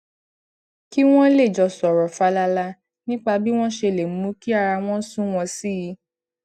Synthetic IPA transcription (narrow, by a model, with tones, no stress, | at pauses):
ki˦w̃ɔ̃˦le˦˨d͡ʒɔ˧sɔ˨ɾɔ˨fa˨˦la˧la˧ | nĩ˦k͡pa˧bi˦w̃ɔ̃˦ʃe˧le˨mũ˨˦mũ˦ki˦a˦˧ɾa˧w̃ɔ̃˦sũ˦w̃ɔ̃˧si˦ji˧˦